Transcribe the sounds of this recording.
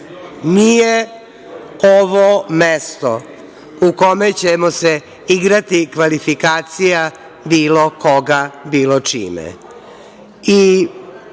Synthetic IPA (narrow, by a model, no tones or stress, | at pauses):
nije | oʋomest̪o | ukomet͡ɕemose | iɡɾat̪ikʋalifikaːt̪sija | biːlokoɡabiːlot͡ʃḭːmḛ | i